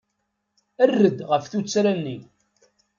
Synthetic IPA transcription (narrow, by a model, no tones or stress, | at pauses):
ərːəd̪ʁəfθut͡sːɾænːi